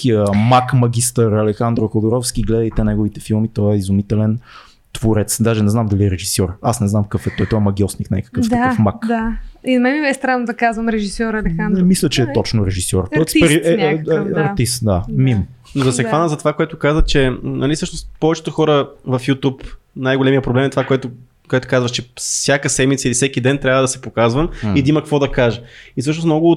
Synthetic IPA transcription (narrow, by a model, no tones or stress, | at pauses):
kiəmakmɐɡʲist̪əɾɐlɛxand̪ɾokod̪ʊɾɔfsk̟iɡlɛd̪əjt̪ɛnɛɡʊvit̪ɛfilˠmit̪ɔɛizumit̪ɛlɛn | t̪voɾɛt̪sd̪aʒɛnɛznamd̪ɐliɛɾɛʒisɔɾasnɛznamkəfɛt̪ɔjt̪ɔɛmɐɡʲiɔsnikna̰jkə̥kəft̪əakəfmakd̪aimɛmibɛst̪ɾanʊd̪ɐkazvɐmɾɛʒisɔɾɐlɛxand̪ɛmislʲət͡ʃɛːɔt͡ʃnʊɾɛʒisɔɾɔsiɛaɾt̪ist̪d̪amim | nozɐsɛxvanəzɐt̪ovakoɛt̪ʊkazvət͡ʃɛnɐlisɤʃnost̪pɔvɛt͡ʃɛ̥t̪ʊxɔɾəvɐfjut̪up | najɡolɛmijəpɾoblɛmɛt̪ovakoɛt̪ʊ | koɛt̪ʊ̥kazvəʃt͡ʃɛsʲjakəsɛd̪mit̪səilifsɛkid̪ɛnt̪ɾʲavəd̪ɐsɛ̥pokazvəmid̪ɐimɐkəkvɔd̪ɐkaʒəisɤʃ̬nʊsnɔɡʊ